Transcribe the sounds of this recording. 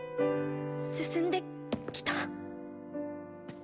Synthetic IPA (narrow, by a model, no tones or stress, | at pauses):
sɨsɨ̃nd̪e̞ | kʲi̥t̪a